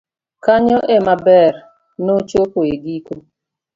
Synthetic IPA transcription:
kaɲɔʔemabɛɾ | not͡ʃokoeɡiko

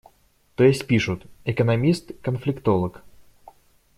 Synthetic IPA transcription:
t̪ojɪsʲtʲpʲiʂʊt̪ɛkənɐmʲist̪kənflʲɪkt̪olˠək

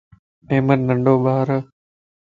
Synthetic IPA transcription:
eːmənnəɳɖoːɓaːɾ

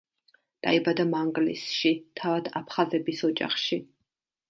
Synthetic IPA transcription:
d̪̥a̰ibad̪amaŋɡlḭsʃit̪ʰavad̪apʰχazɛbisɔd͡ʒa̰χʃi

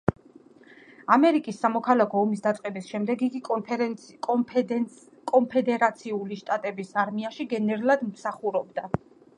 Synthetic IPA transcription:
amɛɾikʼisːamɔkʰalakʰɔɔmisd̪at̪sʼqʼɛbisʃɛmd̪ɛɡiɡi | kʼɔmpʰɛd̪ɛɾat̪sʰiuliʃt̪ʼat̪ʼɛbisaɾmiaʃiɡɛnɛɾulˠad̪msaχuɾɔbd̪a

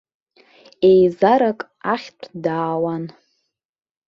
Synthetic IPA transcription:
ejzaɾakʼ | aχʲtʷʰdaːwan

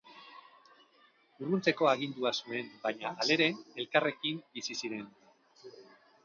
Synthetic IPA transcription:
urɣunt͡se̞ko̞aɣ̞ind̪uasue̞mbaɲaːle̞ɾe̞ne̞lkare̞kimbisisiɾe̞n

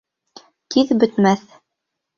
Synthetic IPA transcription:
kiðbɵ̆t̪mæθ

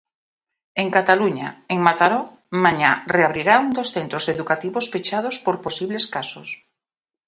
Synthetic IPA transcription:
eŋkat̪aluɲa̰eŋmat̪aɾɔ | mãɲareaβɾiɾauŋd̪osθent̪ɾoseðukat̪iβosfet͡ʃað̞ospoɾposiβleskasos

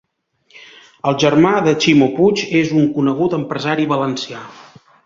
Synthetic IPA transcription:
əlˠʒərmaðət͡ʃimoput͡ʃezuŋkunəɣ̞ut̪əmpɾəzaɾiβələnsia

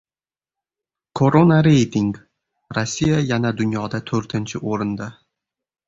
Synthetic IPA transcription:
kʰoɾonaɾejt̪ɪŋɡ | ɾasʲːijajanad̪ʊnjɒd̪at̪ʰɵɾt̪ʰɪnt͡ʃʰɪʔoɾɪnd̪a

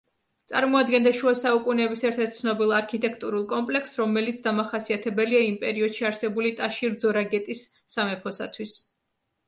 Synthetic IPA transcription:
t̪sʼa̰ɾmɔad̪ɡɛnd̪aʃuasaukʼunɛbisɛɾt̪ʰɛɾt̪̚sʰnɔbilˠaɾkʰit̪ʼɛkʰt̪ʼuɾulˠkʼɔmpʼlɛksɾɔmɛlit̪sʰd̪amaχasiat̪ʰɛbɛliaimpʼɛɾiɔd̪̥ʃiaɾsɛbulit̪ʼaʃiɾd̪zɔɾaɡɛt̪ʼisː | amɛpʰɔsat̪ʰwis

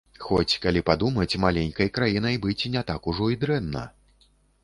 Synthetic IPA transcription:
xɔt͡sʲkalʲipad̪umɐt͡sʲmalʲenʲkɐjkɾajinɐjbɨt͡sʲinʲɛt̪akuʐɔid̪ɾɛnːɐ̰

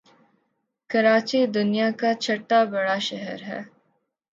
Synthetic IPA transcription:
kɐɾaːt͡ʃid̪ʊnijakat͡ʃʰɐʈːabɐɽaʃɛɦɛɾɦɛ̰ː

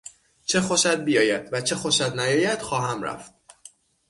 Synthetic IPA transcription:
t͡ʃʰe̞xo̞ʃæd̪̚bijɒːjæd̪̥væt͡ʃʰe̞xo̞ʃæd̪næjɒːjæd̪̥xɒːɦæmræ̰ft̪̚

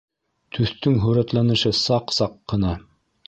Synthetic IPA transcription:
t̪ʰɵ̆θt̪ɵŋɦɵ̆ɾæt̪lˠɑnɤ̆ʃɤsɑqsɑqːɤ̆nɑ

